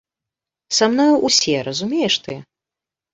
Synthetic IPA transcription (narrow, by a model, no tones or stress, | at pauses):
samnɔjuʔusʲɛɾɐzumʲejɛʂt̪ɨ